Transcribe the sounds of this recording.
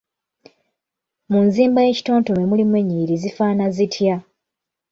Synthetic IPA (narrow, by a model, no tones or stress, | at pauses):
munziːmbaje̞ci̥to̞ːnto̞memulimweɲːiɾizifaːnazitʰja